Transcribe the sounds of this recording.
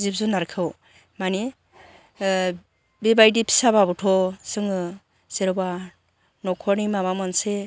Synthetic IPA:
zip̚zunaɾkʰɯw | mani | bebajdipʰi̥sababutʰɔsɯŋɯ | seɾba | nɔkʰɔnimabamanse

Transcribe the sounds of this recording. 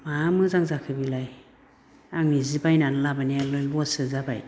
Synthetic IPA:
mamɯzaŋzakʰɯbilaj | aŋnizibajnanɯlabanialɯlbɔsɯzabaj

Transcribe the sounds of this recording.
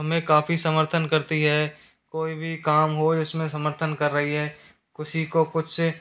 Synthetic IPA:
ɐmẽkaːfisɐməɾt̪ʰənkɐɾt̪iɦɛː | koːibʱikaːmɦod͡ʒɪsmẽsɐməɾt̪ʰənkɐɾːɐɦiɦɛː | kɪsikokʊt͡ʃʰ

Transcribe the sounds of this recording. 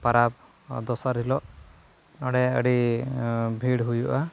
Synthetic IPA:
paɾab̚ | d̪ɔsaɾilɔʔ | nɔɽɛjaʔə̰ɽi | bʱiɽɦujuʔa

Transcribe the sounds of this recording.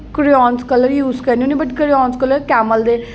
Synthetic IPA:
kəɾiɔːnskələɾjuːzkəniunibəʈkəɾiɔːnskələɾkɛːməld̪eː

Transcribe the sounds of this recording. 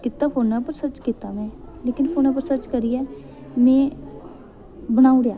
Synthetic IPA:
kɪt̪ːaːpʰoːnːaːpəɾsəɾt͡ʃkɪt̪ːaːmɛ̃ː | leːkɪnpʰoːnaːp̬əɾsəɾt͡ʃkəɾiːɛː | mɛ̃ː | bəɽ̃aːũɽejaː

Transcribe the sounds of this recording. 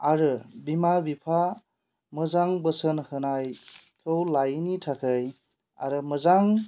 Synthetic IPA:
aɾɯbimabipʰa | mɯzaŋbəsənhɯnaj | kʰɯwlajnitʰakʰɯj | a̰ɾɯməzaŋ

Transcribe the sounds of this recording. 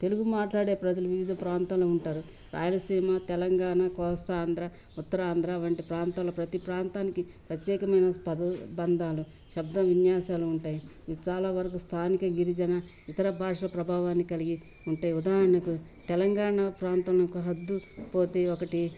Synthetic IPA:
t̪e̞luɡumaːʈlaːɽe̞ːpɾɐd͡ʒɐluʋiʋid̪ʱɐpɾaːnt̪aːluuɳʈaːɾu | ɾa̰ːjɐlɐsiːmat̪ɛlɐŋɡaːɳakɔːst̪ɐːnd̪ɾa | ut̪ːɐɾaːnd̪ɾaːʋɐɳʈipɾaːnt̪aːlɐpɾɐt̪ipɾaːnt̪aːnikipɾɐt̪jɛːkɐmɐjnɐspɐd̪ɐbɐnd̪ʱaːlu | ʃɐbd̪ɐʋinjaːsaːluːɳʈaːji | t͡ʃaːlaːʋɐɾɐk̬ust̪ʰaːnikɐɡiɾid͡ʒɐnɐ | it̪ɐɾɐbʱaːʂɐpɾɐbʱaːʋaːnːikɐliɡi | uɳʈaːjiud̪aːɦɐɾɐɳɐku | t̪ɛlɐŋɡaːɳapɾaːnt̪ɐmlɐkuɦɐd̪ːupo̞ːt̪eːokɐʈi

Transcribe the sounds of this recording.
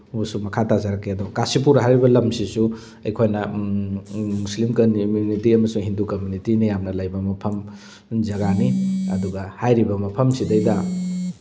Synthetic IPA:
usumɐkʰatazaɾɐkːeɐdokasip̬uɾɦajɾibɐlɐmsisu | ɐjkʰojnɐ | muslimkɐmunitiɐmɐsuŋɦindukɐmunitinijamnɐlɐjbɐmɐpʰɐm | zɐɡaniɐduɡɐhajɾibɐmɐpʰɐmsidɐjdɐ

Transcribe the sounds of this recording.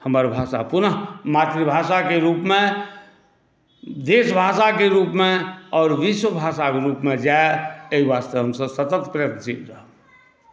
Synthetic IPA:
həməɾbʱaːsa̰pʊnəɦmat̪ɾibʱasakeɾuːpme | d̪esbʱasakeɾuːpmeɔːɾʋiswəbʱasakeɾuːpmed͡ʒaeeɦiʋast̪eɦəmsəbsət̪ət̪pɾɪjət̪d͡ʒikɾəɦə

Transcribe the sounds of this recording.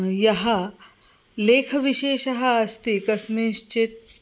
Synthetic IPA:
jɐɦɐ | leːkʰʋiʃeːʃɐɦɐːst̪ikɐsmeːʃt͡ʃet̪̚

